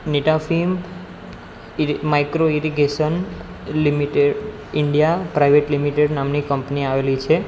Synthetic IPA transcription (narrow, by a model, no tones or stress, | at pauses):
neʈafim | majkɾoiɾiɡeʃən | limiʈeɖ | ɪɳɖijapɾajʋeʈlimiʈeɖnamnikəmpniaʋelit͡ʃʰe